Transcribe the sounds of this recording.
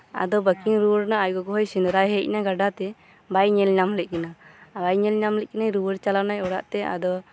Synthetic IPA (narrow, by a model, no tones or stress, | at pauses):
a̰d̪ɔbəkiŋɾuwəɽnaajɡɔɡɔɦɔjsinɾajɦəc̚naɡaɖat̪ɛ | bajɲɛlɲamlɛc̚ˀkinabajɲɛlɲamlɛc̚kinajɾuwəɽt͡ʃalanajɔɽa̰ʔt̪ɛa̰d̪ɔ